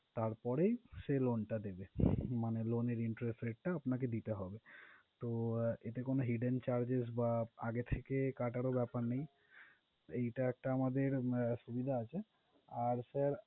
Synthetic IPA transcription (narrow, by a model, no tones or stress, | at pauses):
t̪aɾpɔɾejʃelonʈad̪ebemaneloneɾiɳʈɾesʈɾeʈ̚ʈaapnaked̪it̪eɦɔbet̪oet̪ekonoɦiɖent͡ɕaɾd͡ʑesbaaɡet̪ʰekekaʈaɾobɛpaɾnej | ejʈaɛk̚ʈaamad̪eɾʃubid̪ʱaat͡ɕʰe | aɾsaɾ